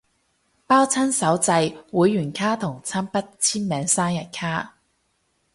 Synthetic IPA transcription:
paː˥wt͡sʰɐ˥nsɐ˨˥wt͡sɐ˧jwuː˨˧jːyː˨˩nkʰaː˥t̪ʰʊ˨˩ŋt͡sʰaː˥npɐ˥t̚t͡sʰiː˥nmɛː˨˥ŋsaː˥ŋjɐ˨t̚kʰaː˥

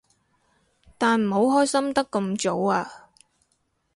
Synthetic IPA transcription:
t̪aː˨nm̩˨˩ɦo˨˧wɦɔː˥jsɐ˥mt̪ɐ˥kːɐ˧mt͡so˨˥waː˧

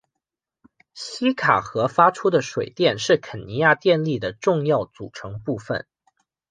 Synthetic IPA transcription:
ɕi˥kʰa˨˩xɤ˧˥fa˥ʈ͡ʂʰu˥d̪ə˨ʂwe˨˩ɪt̪jɛ˥˧nʂɻ̩˥˩kʰə˨˩nni˧˥ja˥˧t̪jɛ˥˧nli˥˩d̪ə˩ʈ͡ʂʊ˥˧ŋjɑ˥˩ʊt͡sṵ˨˩ʈ͡ʂʰɤ˧˥ŋpu˥˩fə̰˨˩n

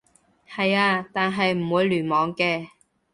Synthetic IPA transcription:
hɐ˨jaː˧t̪aː˨nɦɐ˨jm̩˨˩wuː˨˧˥jlyː˨˩nmɔː˨˧ŋkɛː˧

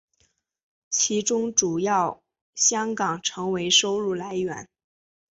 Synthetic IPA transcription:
t͡ɕʰi˧˥ʈ͡ʂʊ˥ŋʈ͡ʂu˨˩jɑ˥˩ʊ | ɕjɑ˥ŋkɑ˨˩ŋʈ͡ʂʰɤ˧˥ŋwe˧˥ɪʂo˥ʊlu˥˩la˧˥ɪɥɛ̰˨˩˦n

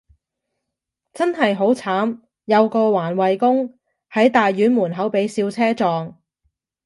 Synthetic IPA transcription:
t͡sɐ˥nɦɐ˨jɦo˨˥wt͡sʰaː˨˥m | jɐ˨˧wkɔː˧waː˨˩nwɐ˨jkʊ˥ŋ | hɐ˨˥jt̪aː˨jːyː˨˥nmuː˨˩nɦɐ˨˥wpe˨˥jsiː˧wt͡sʰɛː˥t͡sɔː˨ŋ

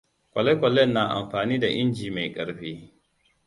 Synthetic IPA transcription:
kʷʼɐ˨lɛ˦jkʷʼɔ˨lɛ˦˨nːa˨ʔa̰˨mɸaː˨niː˦da˨ʔɪ˦nd͡ʒiː˨ma˨jkʼɐ˨ɽɸeː˦

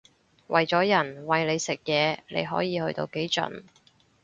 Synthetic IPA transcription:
wʔɐ˨jt͡sɔː˨˥jɐ˨˩nwɐ˨jle˨˧jsɪ˨k̚jɛː˨˧lḛ˨˧jɦɔ̰ː˨˥jiː˨˧hɵ̰˧ɥt̪o̰˧wke˨˥jt͡ʃɵ̰˨˥n

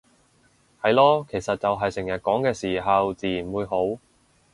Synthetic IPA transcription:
hɐ˨jlɔː˥kʰe˨˩jsɐ˨t̚t͡sɐ˨wɦɐ˨jsɪ˨˩ŋjɐ˨t̚kɔː˨˥ŋkɛː˧siː˨˩ɦɐ˨wt͡siː˨˩ji˨˩nwuː˨˧jɦo˨˥w

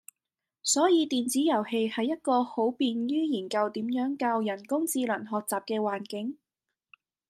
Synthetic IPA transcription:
sɔː˨˥jiː˨˧t̪iː˨nt͡siː˨˥jɐ˨˩whe˧jhɐ˨jːɐ˥t̚kɔː˧ho˨˥wpiː˨njyː˥jiː˨˩nkɐ˧wt̪iː˨˥mjœː˨˥ŋkaː˧wjɐ˨˩nkʊ˥ŋt͡siː˧lɐ˨˩nɦɔː˨k̚t͡saː˨p̚kɛː˧waː˨˩nkɪ˨˥ŋ

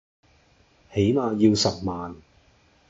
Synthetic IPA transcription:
he˨˥jmaː˨˧jiː˧wsɐ˨p̚maː˨n

